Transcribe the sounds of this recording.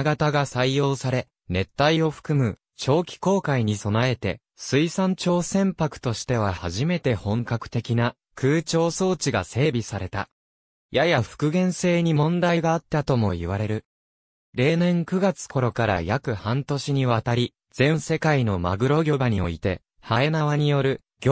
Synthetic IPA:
ɡat̪aɡasaijo̞ːsaɾe̞ | ne̞t̪ːaio̞ɸɯ̟̥kɯ̟mɯ̟ | t͡ɕo̞ːkʲi̥ko̞ːkaiɲ̟iso̞nae̞t̪e̞̰ | sɨisãɲt͡ɕo̞ːsẽ̞mpakɯ̟̥t̪o̞ɕi̥t̪e̞β̞ahaʑime̞t̪e̞hõ̞ŋkakɯ̟̥t̪e̞kʲina | kʰɯ̟ːt͡ɕo̞ːso̞ːt͡ɕiɡase̞ːbʲisaɾe̞t̪a̰ | jajaɸɯ̟̥kɯ̟ɡẽ̞ɰ̃se̞ːɲ̟imõ̞nd̪aiɡaːt̪ːat̪o̞mo̞̰iβaɾe̞ɾɯ̟ | ɾe̞ːnẽ̞ŋkɯ̟ɡat͡sɨ̥kʰo̞ɾo̞kaɾa̰jakɯ̟hãnt̪o̞ɕiɲ̟iβat̪aɾʲi | z̥ẽ̞ɰ̃se̞kaino̞ma̰ɡɯ̟ɾo̞ɡʲo̞baɲ̟io̞̰it̪e̞ | hae̞naβaɲ̟ijo̞ɾɯ̟ | ɡʲ

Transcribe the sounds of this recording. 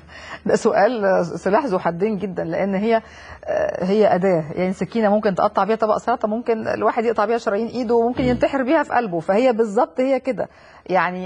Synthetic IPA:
d̪æʔsoʔæːlsolæħzoħad̪ːeːnɡed̪ːænleʔenːɦejːæ̰ | ɦejːæʔæd̪æːjʔaʕnisækːiːnæmomkent̪eʔɑt̪ˤːɑʕbiːhæt̪ˤɑbɑ̰ʔsˤɾˤɑːt̪ˤɑmomkenḛlwaːħed̪jeʔt̪ˤɑʕbiːhæʃɑɾˤɑjiːnʔiːd̪owemomkenjent̪aħeɾbiːhæfiʔælbofæhejːæbezˤːɑb̚t̪ˤhejːæked̪æ̰ | jaʕni

